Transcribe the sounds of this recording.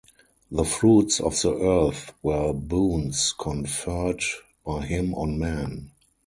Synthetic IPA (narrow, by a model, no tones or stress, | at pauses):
ðəfɹuːtsɔ̰fðiʔɜ˞θwɜ˞bũːnskʰɔ̃nfɜ˞d | b̥aɪɦɪ̃mɔ̃nmæ̃n